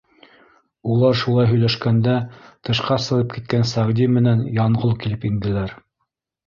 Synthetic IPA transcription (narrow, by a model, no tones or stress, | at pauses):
ulˠɑɾʃulˠɑjɦɵ̆jlæʃkænd̪æt̪ɤ̆ʃqɑsɤ̆ʁɤp̚kit̪̚kænsæʁd̪imɘ̆nænjɑɴʁolˠkilɘpind̪ɘ̆læɾ